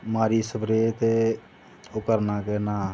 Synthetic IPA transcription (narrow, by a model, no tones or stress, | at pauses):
maːɾiːsəbɾeːt̪e | okəɾnaːkeːnaː